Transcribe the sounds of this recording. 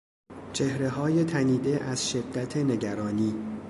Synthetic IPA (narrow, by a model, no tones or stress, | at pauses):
t͡ʃʰehɾe̞ɦɒːje̞t̪ʰæniːd̪e̞ʔæz̥ʃe̞d̪ːæt̪ʰene̞ɟæɾɒːniː